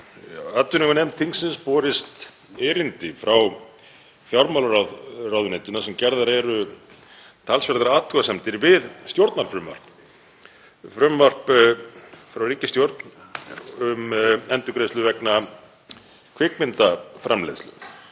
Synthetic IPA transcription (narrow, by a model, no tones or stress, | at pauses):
at̪ːʏnɪŋɣʏnɛmt̪ʰiŋsɪnspɔːɾɪst̪ | ɛːɾɪnt̪ɪfɾaw | fjawɾmalɾarawðʏnɛnt̪ɪnasɛmcɛɾðaɾɛɾʏ | t̪ʰalsfɛɾt̪ɾaaːt̪ʰuasɛmt̪ɪɾvɪðst̪jowɾt̪naɾfɾʏmva̰r̥p | fɾʏmvar̥p | fɾawriːcɪst̪jowɾt̪n | ʏmɛnt̪ʏkɾejslʏvɛkna | kʰvɪkmɪnt̪afɾamlḛθslʏ̰